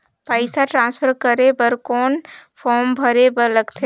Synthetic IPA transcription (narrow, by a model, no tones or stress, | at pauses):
paːɪsaʈɾãːnspʰəɾkəɾebəɾkɔːnpʰɔːɾmbʱɐɾebəɾləɡt̪ʰe